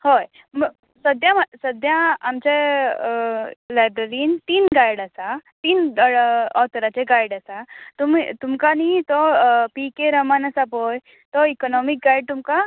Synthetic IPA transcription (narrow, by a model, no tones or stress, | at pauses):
hoj | m | səd̪jaməsəd̪jãamt͡ɕe | lajbɾəɾiːnt̪iːnɡajɽəsat̪iːn | ɔt̪əɾat͡ɕeɡajɽəsat̪umit̪umkanit̪ɔpikeɾəmanəsapoj | t̪ɔikɔnɔmik̚ɡajɖ̚t̪umka